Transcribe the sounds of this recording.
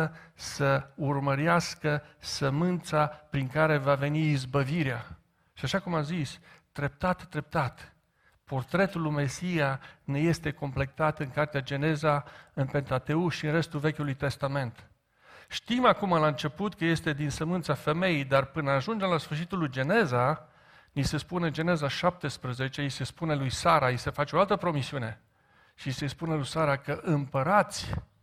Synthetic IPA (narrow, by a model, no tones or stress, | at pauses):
səurməɾjaskəsəmɨnt̪sapɾiŋkaɾe̞vave̞niːzbəviɾea | ʃiaʃakumazisd̪̥ɾe̞p̚t̪at̪d̪ɾe̞p̚t̪at̪ | po̞rt̪ɾe̞t̪ulume̞sijane̞je̞st̪e̞ko̞mple̞k̚t̪at̪ɨŋkart̪ead͡ʒe̞ne̞zaɨnpe̞nt̪at̪e̞uʃiɨnre̞st̪ulve̞kʲulujt̪e̞st̪ame̞nt̪ | ʃt̪imakumɨlaɨnt͡ʃe̞put̪kəje̞st̪ed̪insəmɨnt̪safe̞me̞ijd̪arpɨnəaʒund͡ʒemlasfɨrʃit̪ulujd͡ʒe̞ne̞za | nise̞spuned͡ʒe̞ne̞zaʃap̚t̪e̞spɾəze̞t͡ʃe̞ise̞spune̞lujsaɾaisefat͡ʃeoalt̪əpɾo̞misiune̞ | ʃise̞spunelujsaɾakəʔɨmpəɾat̪sʲ